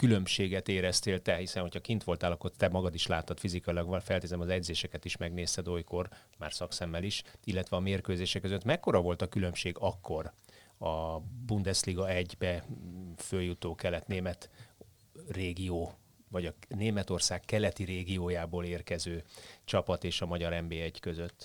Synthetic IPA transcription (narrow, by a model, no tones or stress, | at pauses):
kylø̞mʃeːɡɛt̪eːɾɛst̪eːlt̪ɛhisɛnho̞cʰɒkint̪ʋo̞lt̪aːlɒkːo̞rt̪ɛmɒɡɒd̪iʃlaːt̪ːɒt̪fizikɒilɒɡʋɒlfɛlt̪eːzɛmɒzɛɟzeːʃɛkɛt̪iʃmɛɡneːst̪ɛd̪o̞jko̞r | ma̰ːrsɒksɛmːɛliʃilːɛt̪ʋɛɒmeːrkøːzeːʃɛkːøzøt̪mɛkːo̞ɾɒvo̞lt̪ɒkylø̞mʃeːɡɒkːo̞rɒbund̪ɛsliɡɒɛɟbɛ | føljut̪oːkɛlɛt̪neːmɛt̪ | reːɡioː | vɒɟɒneːmɛt̪o̞rsaːkːɛlɛt̪iɾeːɡioːjaːboːleːrkɛzøːt͡ʃɒpɒt̪eːʃɒmɒɟɒɾɛmbeːɛɟkøzøt̪ː